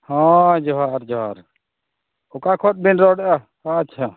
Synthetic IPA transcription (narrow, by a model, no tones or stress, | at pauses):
hãd͡ʒɔɦaɾd͡ʒɔɦaɾ | ɔkakʰɔt̪̚bɛnɾɔɖɛʔa | haat͡ʃʰa